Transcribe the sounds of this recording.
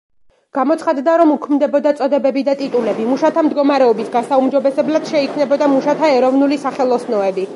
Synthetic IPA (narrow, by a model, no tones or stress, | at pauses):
ɡ̥amɔt̪sʰχad̪d̪aɾɔmukʰmd̪ɛbɔd̪at̪sʼɔd̪ɛbɛbid̪at̪ʼit̪ʼulɛbimuʃat̪ʰamd̪ɡɔmaɾɛɔbisɡasaumd͡ʒɔbɛsɛblad̪̥ʃɛikʰmnɛbɔd̪amuʃat̪ʰaɛɾɔvnulisaχɛlˠɔsnɔɛbi